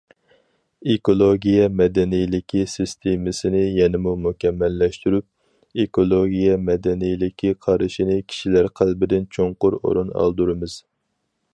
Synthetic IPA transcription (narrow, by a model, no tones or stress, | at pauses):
ekolˠoɡʲijɛmɛd̪ɛnijlɪkʲʰisɨst̪ʰemɪsɪnɪjɛnɪmumukʲʰɛmːɛlːɛʃt̪yɾyp̚ | ekʰolˠoɡʲijɛmɛd̪ɛnijlɪkʲʰiqʰɑɾɨʃinɪkʲʰi̥ʃilæɾqʰælbɪd̪ɪnt͡ʃʰoŋqʊɾo̰ɾunɑ̰lˠd̪uɾɨmɨz̥